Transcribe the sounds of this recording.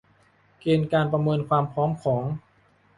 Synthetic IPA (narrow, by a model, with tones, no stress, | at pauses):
keː˧nkaː˧npɾa˧mɤː˧nkʰwaː˧mpʰɾɔː˦˥mkʰɔː˩˦ŋ